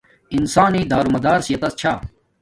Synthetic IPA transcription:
insaːniːd̪aːɾumɐd̪aːɾsjɐt̪ɐst͡ɕʰaː

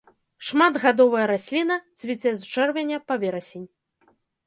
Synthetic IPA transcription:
ʂmad̪ɣad̪ɔvɐjɐɾasʲlʲinɐt̪sʲvʲit͡sʲɛzt͡ʂɛrvʲɛnʲɐpavʲɛɾɐsʲenʲ

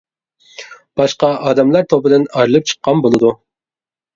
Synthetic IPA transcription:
b̥ɑʃqɑʔɑːd̪ɛmlˠɑɾt̪ʰobɨd̪ɪnɑɾɨlˠɨp̚t͡ʃʰə̥qʰːɑnbolˠɨd̪u

